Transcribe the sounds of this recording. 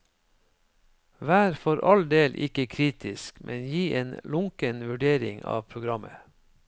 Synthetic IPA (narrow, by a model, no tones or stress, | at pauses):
ʋæːɾfɔɾʔɑld̪eːlʔɪ̰kəkʰɾiːt̪ʰɪskmʔɛnjiːʔeːnlʊŋkənʋʉɖeːɾɪ̰ŋɑ̰ːʋpʰɾʊɡɾɑmə